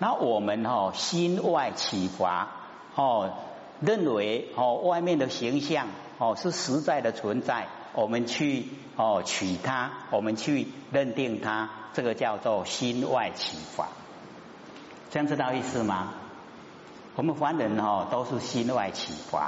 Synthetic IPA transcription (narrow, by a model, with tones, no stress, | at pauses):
na˥˨wɔ˨˩mə˨˦nhɔ˥˩ɕi˦nwa˥˧ɪt͡ɕʰi˨˩fwa̰˧˦ | hɔ˥˩ | ɾə˥˨nwe˨˦ɪhɔ˥˨wa˥˧ɪmjɛ˥˨nd̪ə˨ɕi˨˦ŋɕja˥˨ŋ | hɔ˥˨ʂ̩˥˩˨ʂɻ̩˧˦t͡sa˥˩ɪd̪ə˨t͡sʰwə˨˦nt͡sa˥˩ɪ | wɔ˨˩mə˨˦nt͡ɕʰy˥˧˨ | hɔ˥˨t͡ɕʰi˨˩t̪ʰa˦wɔ˨˩mə˨nt͡ɕʰy˥˧ɾə˥˧nt̪i˥˨ŋt̪ʰa˦t͡sə˥˧ɡə˨t͡ɕja˥˧ʊt͡sɔ˥˨ɕi˦nwa̰˥˨ɪt͡ɕʰi˨˩fwa̰˨˦ | t͡sə˥˦ja˥˧ŋt͡sʰɨ˥˧t̪a˥˧ʊi˥˧sɹ̩˧ma˧ | wɔ˨mə˨nxwa˨˦nɻə˨˦nhɔ˥˨˩t̪o˦ʊʂ̩˥˨ɕi˦nwa̰˥˨˩ɪt͡ɕʰḭ˨˩fwa̰˨˦